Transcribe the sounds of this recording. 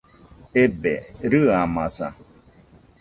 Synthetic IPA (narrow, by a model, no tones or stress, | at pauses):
ebḛɾɨamasa̰